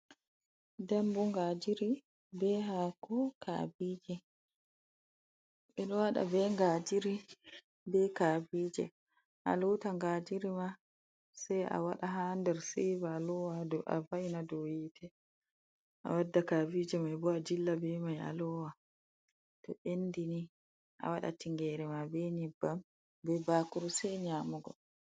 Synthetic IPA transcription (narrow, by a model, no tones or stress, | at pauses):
dambuŋɡad͡ʒiɾi | bɛɦakɔkʰa̰biːd͡ʒɛ | ɓɛɗɔwaɗa̰bɛŋɡad͡ʒiɾi | bɛkaːbiːd͡ʒɛ̰ | ʔa̰lɔtaŋɡad͡ʒiɾima | sajʔa̰waɗaɦandɛɾsivalɔwadɔʔa̰vajnadɔjiːtʰɛ | ʔa̰wadːakavid͡ʒɛmajbɔad͡ʒilːabɛmaja̰lɔwa | tɔʔendini | ʔa̰waɗa̰tiŋɡɛɾɛmabɛɲibːam | bɛbaːkuɾusɛjɲaːmuɡɔ